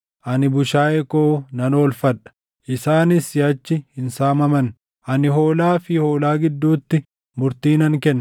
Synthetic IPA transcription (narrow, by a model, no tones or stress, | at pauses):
ʔɐnɪbʊʃaːɛkoːnɐnoːlfɐᶑɐ̥ | ʔɪsaːnɪsɪɐt͡ʃːɪhɪnsaːmɐmɐn | ʔɐnɪɦo̞ːlaːfɪho̞ːlaːɡɪd̪ːuːt̪ːɪ | mʊɾt̪iːnɐŋkɛnː